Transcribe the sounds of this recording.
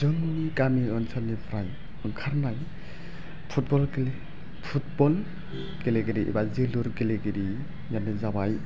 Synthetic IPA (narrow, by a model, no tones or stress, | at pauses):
zɯŋnikamiɔnsʰɔnipʰɾaj | ɯŋkʰaɾnaj | pʰut̚bɔlɡele | pʰut̚bɔl | ɡeleɡeɾiʔḭbaziluɾɡeleɡiɾi | janizabaj